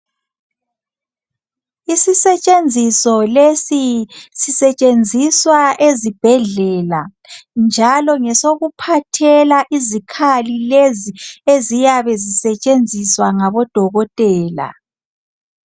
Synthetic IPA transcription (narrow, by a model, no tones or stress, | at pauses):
isisɛt͡ʃʼend͡zʱisɔlesisisɛt͡ʃʼend͡zʱiswaʔezib̥ʱɛɮɛla | nd͡ʒʱalɔŋɛsoɣupʰatʰɛlaʔizikʰalileziezijaβɛzisɛt͡ʃʼend͡zʱiswaŋaβɔd̥ʱɔɣɔtʼɛːla̰